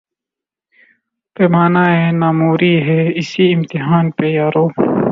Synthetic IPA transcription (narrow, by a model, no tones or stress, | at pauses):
peːmaːnaːeːnaːmoːɾiːɦɛːɪsiɪmt̪ɪɦaːnpeːjaːɾoː